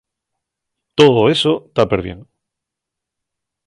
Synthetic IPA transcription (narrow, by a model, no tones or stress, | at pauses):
t̪oðoesot̪apeɾβjeŋ